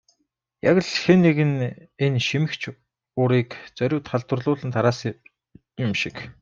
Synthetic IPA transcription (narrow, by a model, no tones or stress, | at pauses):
jaɣə̆ɮxenːeɣɘ̆nenʃimɘ̆xt͡ɕʰ | ʊɾiːkt͡sœɾʲʊːt̪χaɮt̪wə̆rɮʊːɮɘ̆nt̪ʰaɾaːs | jʊmʃik